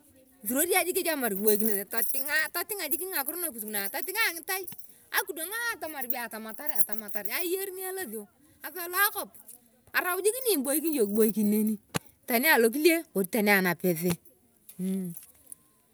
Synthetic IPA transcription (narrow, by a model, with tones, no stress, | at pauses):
tu˨ɾo˦da˦d͡ʒi˦ke˦t͡ʃa˦ma˨ɾki˨bo˨i˦k̬ine˨te˨ta˨tɪ˦ŋa˦ta˦tɪ˦ŋa˨d͡ʒɪ˦ki˦n˦ŋa˨kʊ˦ɾʊ˦na˨ku˨tkna˨ta˨tɪ˦ŋa˦˨ŋɪ˦ta˦j | a̰˨ku˨do˨ŋa˦a˨ta˦ma˨ɾbi˦a˨ta˨ma˨ta˦ɾa˨ta˨ma˨ta˨ɾa˦je˦ɾni˦a˦la˦ði˨o˨ | a˨sa˦˨lɔ˦a˦kɔ˦˨p̚ | a˨ɾa˨wd͡ʒi˦ki˦ni˦˨mbo˦i˦k̬i˦njo˨ki˨ɓo˦i˦ki˨nːe˦ni˦ | ta˨ni˦a˨lo˦k̬i˦le˦o˨ɾi˨ta˨ni˦a˨na˨pe˨s̬e˦˨